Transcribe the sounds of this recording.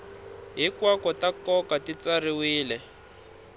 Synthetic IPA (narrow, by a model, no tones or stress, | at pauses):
ɦikwakɔtakɔkatit͡sariwiːlɛ